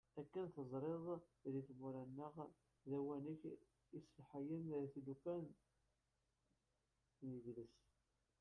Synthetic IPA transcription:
ækːənθəzˤɾˤeðˤðiθmʊɾænːəʁ | ðæwænəç | islħajəmθlukæn | niʝləs

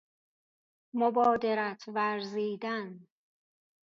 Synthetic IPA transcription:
mobɒːd̪eɾæt̪ʰvæɾziːd̪æn

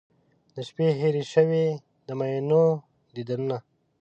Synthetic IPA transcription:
d̪̥əʃpeɦeɾiʃəwe | d̪əmajno | d̪id̪anuna

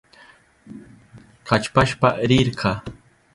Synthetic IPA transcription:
qat͡ʃpaʃpaɾɪɾɢʰɑ

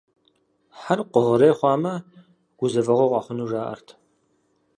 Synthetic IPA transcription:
ħarqʷʊʁɐɾeːχʷɑːmɐ | ɡ̥ʷʊzɐvɐʁʷoʁʷɑːχʷʊnuːʐaːʔɐ̰rtʰ

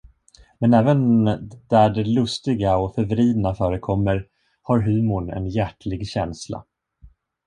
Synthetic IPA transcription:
mɛnɛːvənd̪̥æɖɛlɵst̪ɪɡaɔfœɾvɾiːd̪nafœːɾəkʰɔmːəɾ | haɾɦʉ̟ːmʊɳɛ̰njæʈlɪɡɕɛnsla̰

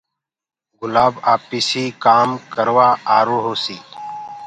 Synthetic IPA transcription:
ɡʊlaːbaːpisiːkaːmkəɾwaːaːɾoːɦoːsiː

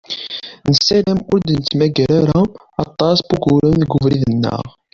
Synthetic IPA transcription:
nəsːælæmʊɾd̪ənət͡sːmæɡæɾaɾa | ɑt̪ˤːɑsbuɡʊɾəmðɡʊvɾiðənːə̰ʁ

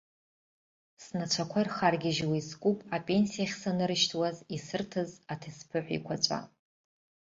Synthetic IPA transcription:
snat͡ʃʷʰakʷʰairχarɡʲɪʒwiskʷʼupʼapʼe̞nsijaχʲsanɨɾɨʃtʰwazisɨrtʰɨzatʰɨspʰɨħʷḭkʷʰat͡ʃʷʼa̰

